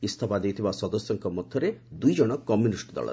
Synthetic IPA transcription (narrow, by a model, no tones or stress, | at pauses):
ist̪ʰapad̪ejt̪ʰibasɔd̪ɔsjɔŋkɔmɔd̪ʱjɔɾed̪ujd͡ʒɔɽ̃ɔkɔmjunisʈd̪ɔ̰ɭɔ̰